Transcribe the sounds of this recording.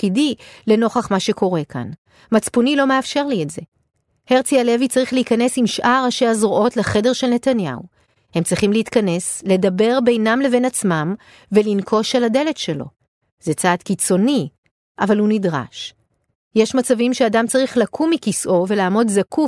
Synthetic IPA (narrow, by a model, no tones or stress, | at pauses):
kidile̞no̞χaχmaʃe̞ko̞ʁe̞kʰa̰n | mat͡spunilo̞me̞afʃe̞ʁlietze | he̞ʁt͡siale̞vit͡saʁiχleikanesimʃʔaʁaʃeazʁoʔo̞tleχe̞de̞ʁʃelne̞tanja̰u | he̞mt͡sʁiχimleit̪kane̞sle̞dabe̞ʁbe̞jnamle̞ve̞nat͡smam | ve̞linkʰo̞ʃalade̞le̞tʃe̞lo̰ | z̥et͡saːdkit͡so̞ni | ʔavalhunidʁa̰ʃ | jeʃmat͡savimʃeadamt͡saʁiχlakʰumːikisʔo̞ve̞laːmo̞dzaku